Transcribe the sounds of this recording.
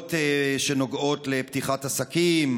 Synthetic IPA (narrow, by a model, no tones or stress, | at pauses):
teʃeno̞ɡo̞tleptiχatasakim